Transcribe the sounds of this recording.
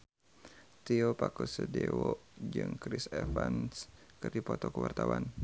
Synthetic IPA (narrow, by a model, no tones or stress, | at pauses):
t̪iopakusədɛwɔd͡ʒɨŋkɾisɛfanskɨrdipɔt̪ɔkəwart̪awan